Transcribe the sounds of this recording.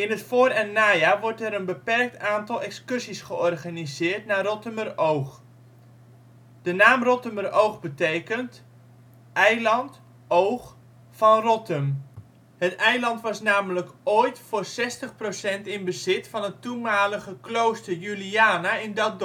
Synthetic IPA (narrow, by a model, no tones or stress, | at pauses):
ɪnɦətfoːrɛnːaːjaːʋɔɹtɛɾənbəpɛrk̚taːntɑlˠɛkskɵsisχəɔrχanizɪːrtnaːrɔtəmərowχ | d̥ənaːmrɔtəmərowχbətejkənt | ʔɛjlɑnt | owχ | fɑnrɔtəm | hətɛjlɑntʋɑsnaːmələkoːjtfʊːrsɛstəχprosɛntɪnbəzɪtfɑnɦətumaːləχəklowstərjyliaːnaɪndɔt̚d